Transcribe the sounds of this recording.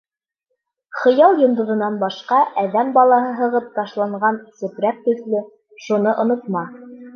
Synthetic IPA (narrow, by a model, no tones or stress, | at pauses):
χɤ̆jɑlˠjŏnd̪ŏðɤ̆nɑnbɑʃqɑʔæðæmbɑlˠɑɦɤɦɤ̆ʁɤp̚t̪ɑʃlˠɑɴɢɑnsɘ̆pɾæk̚t̪ɵ̆ðlɵ | ʃunɤʔŏnŏt̪̚mɑ